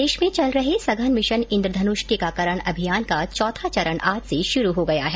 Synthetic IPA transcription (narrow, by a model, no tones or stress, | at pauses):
deːʃmẽt͡ʃɐlɾɐɦesɐɡʱənmɪʃənɪ̃nd̪ɾəd̪ʱɐnʊʃʈikakɐɾəɽ̃ɐbʱijaːnkat͡ʃɔːt̪ʰat͡ʃɐɾəɽ̃ʔaːd͡ʒseʃʊɾuɦoɡɐjaɦɛː